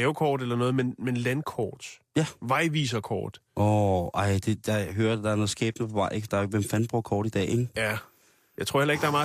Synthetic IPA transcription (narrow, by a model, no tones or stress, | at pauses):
ɛʊkʰɒːd̥elɐnɔ̽ːð̞̩ˠmenmenlænkʰɒ̰ːd̥jæʋɑ̈ɪʋiːs̬ɐkʰɒ̰ːd̥ʔɔʔɑ̈ɪ̰d̥e̝jɑ̈ɪɦøːɐæd̥ɑ̈æɐnɔ̽ð̩ˠsɡ̥ḛːb̥nəpʰɒʋɑ̈ɪ̰ʔeɡ̥d̥ɑʋemfænb̥ʁuɐkʰɒːɾ̥id̥ɛ̰ːeŋæ | jɑ̈ɪt͡sʰʁoɐ̰el̰ɐeɡ̥̚dɑ̈æɐmɑ̈ː